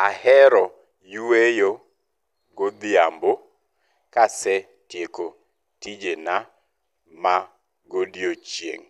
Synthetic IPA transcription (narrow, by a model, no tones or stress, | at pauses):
ahɛɾɔ | juwejo | ɡod̪ɪambo | kasɛ | tjeko | tid͡ʒena | ma | ɡodjot͡ʃjḛŋ